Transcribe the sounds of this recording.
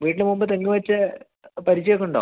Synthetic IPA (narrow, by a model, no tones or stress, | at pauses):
ʋiːʈːilɨmumbɐt̪eŋːuʋɐt͡ɕːɨ | pɐɾit͡ɕːɐjɐkːuɳɖa̰